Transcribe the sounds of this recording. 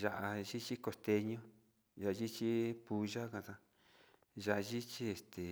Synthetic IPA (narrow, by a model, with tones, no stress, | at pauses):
ʒa˧ʔa˧ʒi˦t͡ʃi˦ko˧˨st̪e˧ɲõ˦ | ʒa˨a˧ʒi˦t͡ʃi˦pu˧ʒa˦kã˧˨sã˧ | ʒa˧ʔa˧ʒi˦t͡ʃi˦e˧˨st̪e˨